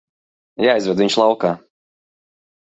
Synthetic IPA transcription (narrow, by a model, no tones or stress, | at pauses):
jaːizɾɛd̪vʲiɲʲʃlˠɑwkaː